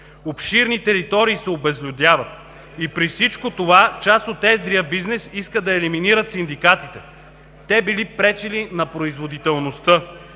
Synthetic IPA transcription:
opʃiɾnit̪ɛɾit̪ɔɾiːsɛobɛzlʲud̪ʲjavət̪ | ipɾifsit͡ʃkot̪ovat͡ʃast̪ot̪ɛzd̪ɾiəbiznɛsiskəd̪ɐɛliminiɾət̪sind̪ikat̪it̪ɛ | t̪ɛbilipɾɛt͡ʃɛlinɐpɾoizvod̪it̪ɛlˠnost̪ɤ

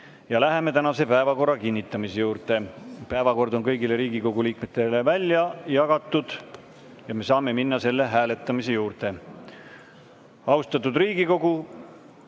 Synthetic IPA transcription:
jɑlæɦe̞me̞t̪ænɑse̞pæevɑko̞rːɑkinʲːit̪ːˑɑmisejuːrt̪e̞pæevɑko̞rd̪o̞nkɤjɡile̞ɾiːɡiko̞ɡuliːkme̞t̪ːˑe̞levælʲjɑjɑɡ̥ɑt̪ˑːud̪̥ | jɑme̞sɑːme̞minːɑse̞lːe̞ɦæːlet̪ːˑɑmise̞juːrt̪e̞ | ɑwst̪ɑt̪ːud̪riːɡ̥iko̞ɡ̥u

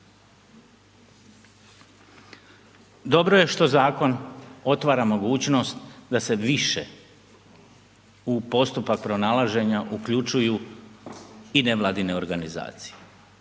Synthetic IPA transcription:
d̪o̞bɾoje̞ʃt̪o̞zaːko̞no̞t̪ʋaːɾamo̞ɡuːt͡ɕno̞st̪d̪ase̞ʋiʃe | upo̞st̪upak̚pɾo̞naːlˠaʒe̞ɲaʔukʎut͡ʃuju | ine̞ʋlˠaːd̪ine̞o̞ɾɡaniza̰ːt̪si̥je

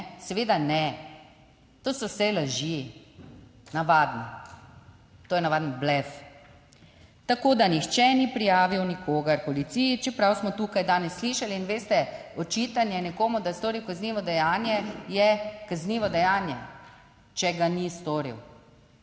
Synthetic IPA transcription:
sɛʋeːd̪anɛ | t̪oːsɔwsɛlaʒi | naʋaːd̪ni | t̪oːjɛnaʋaːd̪nɔblɛf | t̪akoːd̪anixt͡ʃɛnipɾijaːʋiwnikʰoːɡaɾpɔlit̪sijit͡ʃɛpɾawsmɔt̪uːkajd̪aːnɛsːliʃaliːnʋeːst̪ɛɔt͡ʃit̪anjɛnɛkoːmud̪ast̪oːɾiwkazniːʋɔd̪ɛjaːnjɛjɛkazniːʋɔd̪ɛjaːnjɛ | t͡ʃɛɡanist̪oːɾḭw

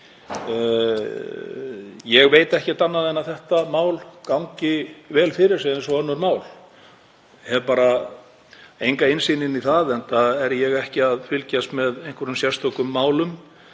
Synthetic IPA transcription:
jɛɣveːjt̪ɛhcɪt̪anːaðɛnːaθɛht̪amaːwlkawɲcɪvɛːlfɪɾɪɾ̥seðɛnsɔœnːʏɾmaːwl | hɛvpaːɾa | ejŋkaɪnsiːnɪniθaðɛnt̪aɛɾjɛɣɛhcɪaðfɪlcast̪mɛðejhŋkʰœɾʏmsjɛrst̪ʰɔkʏmːaːwlʏm

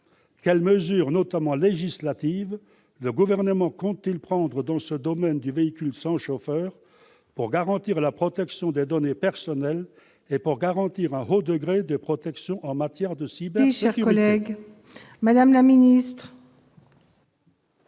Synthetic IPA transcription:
kʲɛlməzyːʁnɔt̪amɑ̃leʒislat̪iv | ləɡuvɛʁnəmɑ̃kɔ̃t̪̚t̪ːilpχɑ̃d̪ʁəd̪ɑ̃səd̪ɔmɛnd̪yveikʲylsɑ̃ʃofœːʁ | puʁɡaʁɑ̃t̪iʁlapχɔt̪ɛksjɔ̃d̪ed̪ɔnepɛʁsɔnɛl | epuʁɡaʁɑ̃t̪iʁɛ̃ɦod̪əɡʁed̪əpχɔt̪ɛksjɔ̃ʔɑ̃mat̪jɛʁd̪əsibɛsʃɛʁkyʁɔlɛeɡ | mad̪amlaminist̪χ

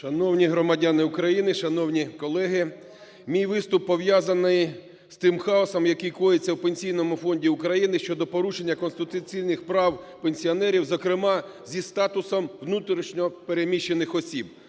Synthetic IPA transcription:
ʃɐnɔwnʲiɦɾɔmɐdʲanɪʊkɾɐjinɪʃɐnɔwnʲikɔlˠɛɦɪ | mʲijʋɪst̪ʊpːɔʋjazɐnɪj | st̪ɪmxɑɔsɔmjɐkijkɔjɪt͡sʲːɐwpenʲsʲijnɔmʊfɔnʲdʲiʊkɾɐjinɪʃt͡ʃɔd̪ɔpɔɾuʃenʲːɐkɔnst̪ɪt̪ʊt͡sʲijnɪxpɾɑwpenʲsʲiɔnɛɾʲiwzɔkɾɪmɑzʲist̪ɑt̪ʊsɔmʋnut̪ɾʲiʃnʲɔpeɾemʲiʃːenɪxɔsʲib̚

